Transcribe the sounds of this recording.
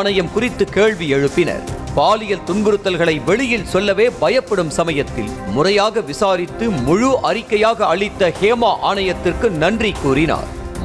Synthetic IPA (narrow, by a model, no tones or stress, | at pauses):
nɐjɐmkʊrɪt̪ːɯkeːɭʋiɛɻɯpːɪnɐ̰ɾpaːlɪjɐlt̪ʊnɡɯɾɯt̪ːɐlɣɐɭɐɪʋɛɭɪjɪlsɔlːɐʋeːbɐjɐpːɐɽɯmsɐmɐjɐt̪ːɪ̰l | mʊrɐjaːɣɐʋɪsaːɾɪt̪ːɯmʊɻʊʔɐrɪkːɐjaːɣɐːɭɪt̪ːɐheːmaːʔaːɳɐjɐt̪ːɪrkɯnɐndrikːuːrɪna̰ːɾ